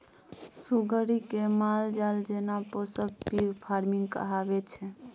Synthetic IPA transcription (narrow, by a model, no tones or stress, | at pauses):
suɡʱəɾikemald͡ʒald͡ʒenaposək̚piɡpʰaɾmiŋɡkə̰ɦabɛt͡ʃʰɛ